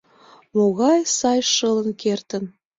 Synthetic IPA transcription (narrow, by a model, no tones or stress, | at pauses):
moɣɑjsɑjʃələnkert̪ən